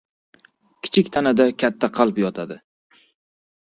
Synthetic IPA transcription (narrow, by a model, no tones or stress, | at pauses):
kʲʰɪ̥t͡ʃʰɪkʲt̪ʰanad̪akʲʰat̪ʰːaqʰɑlˠpjɒt̪ʰad̪ɪ